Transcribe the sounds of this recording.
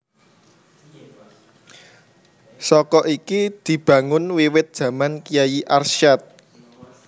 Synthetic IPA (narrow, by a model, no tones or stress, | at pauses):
sɔkɔʔikid̪̥i̤b̥ä̤ŋʊnwiwɪt̪̚d̥ʒ̥ä̤mankijajiʔarsʃat̪̚